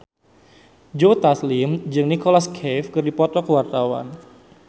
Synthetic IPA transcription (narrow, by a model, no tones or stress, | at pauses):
d͡ʒot̪aslimd͡ʒɨŋnikɔlaskʰɛfkɨrdipɔt̪ɔkəwart̪awa̰n